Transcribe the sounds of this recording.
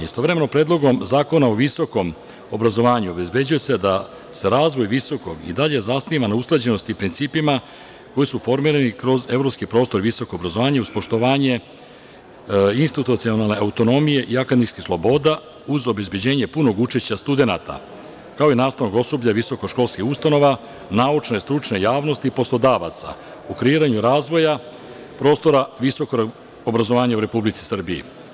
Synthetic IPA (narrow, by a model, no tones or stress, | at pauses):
ist̪o̞ʋɾeme̞no̞pɾe̞ːd̪lˠo̞ɡo̞mzaːko̞naoʋiso̞ko̞m | obɾazo̞ʋaːɲuo̞be̞zbe̞d͡ʑujese̞d̪a | se̞ɾaːzʋo̞jʋiso̞ko̞ɡḭd̪aʎe̞zasniʋanausklˠed͡ʑe̞no̞st̪iːpɾint̪siːpima | ko̞jisufo̞ɾmiːɾanikɾo̞ze̞vɾo̞pskipɾo̞ːst̪o̞ɾʋiso̞ko̞ːbɾazoʋaːɲeuzpo̞ʃt̪o̞ʋaːɲe̞ | inst̪it̪ut̪sionalne̞aut̪o̞no̞mije̞ʔiakad̪niskislˠobo̞ːd̪a | uzo̞be̞zbje̞d͡ʑe̞ːɲe̞puno̞ɡut͡ʃeʃt͡ɕast̪ud̪e̞na̰t̪a̰ | kao̞inaːst̪aʋnoɡo̞sobʎaʋiso̞koʃko̞lˠskixust̪ano̞ʋa | naːut͡ʃne̞st̪ɾut͡ʃne̞jaːʋno̞st̪ipo̞slˠo̞d̪aːʋa̰t̪sa̰ | ukɾeiːɾaɲuɾaːzʋo̞ja | pɾo̞ːst̪o̞ɾaʋiso̞ko̞ɾ | obɾazo̞ʋaːɲauɾe̞publit̪si̥sr̩biḭ